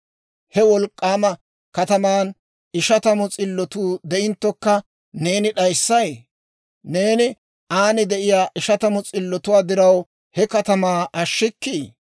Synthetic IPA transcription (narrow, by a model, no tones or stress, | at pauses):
hɛwɔlkʼːaːmɐ | kɐt̪ɐmaːn | ɪʃɐt̪ɐmɔt͡sʼɪlːɔt̪uːd̪ɛɪnt̪ːɔkːɐ | ne̞ːnɪɗɐjsːɐj | ne̞ːnɪ | ʔaːnɪd̪ɛʔɪjaːʔɪʃɐt̪ɐmɔt͡sʼɪlːɔt̪ʊwaːd̪ɪɾɐw | hɛkɐt̪ɐmaːʔɐʃːɪkːiː